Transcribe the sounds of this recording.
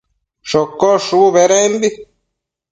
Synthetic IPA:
ʃokːoʂuβeɾembi

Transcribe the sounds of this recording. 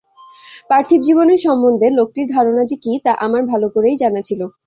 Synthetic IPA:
pɾaɾt̪ʰibd͡ʑiboneɾʃɔmːond̪ʱelok̚ʈiɾd̪ʱaɾonad͡ʑekit̪aʔamaɾbʱalokoɾejd͡ʑanat͡ɕʰilo

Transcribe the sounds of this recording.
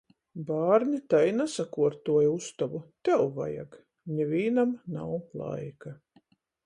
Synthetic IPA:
baːɾnʲit̪ajnasakuɔɾt̪uɔjust̪avut̪ɛwva̰ja̰ɡ | ɲʲɛvʲiːnamna̰wlˠa̰jka

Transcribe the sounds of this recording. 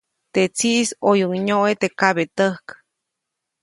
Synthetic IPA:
t̪et͡siʔsojuŋɲoʔet̪ekaβet̪əhk

